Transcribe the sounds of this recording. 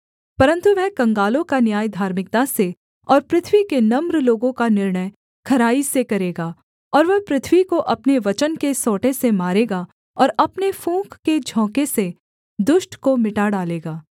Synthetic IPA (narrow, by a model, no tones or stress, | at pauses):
pɐɾə̃nt̪uʋɛɦkɐ̃ŋɡaːlõkanjaːjd̪ʱaːɾmɪk̚t̪ase | ɔːɾpɾɪt̪ʰʋikenɐmɾloːɡõkanɪɾɳəj | kʰɐɾaːisekɐɾeːɡaː | ɔːɾʋɛɦpɾɪt̪ʰʋikoʔɐpneʋɐt͡ʃənkesɔːʈẽsemaːɾeːɡa | ɔːɾɐpnefũːkːed͡ʒʱɔ̃ːkese | d̪ʊʃʈkomɪʈaɽaːleːɡaː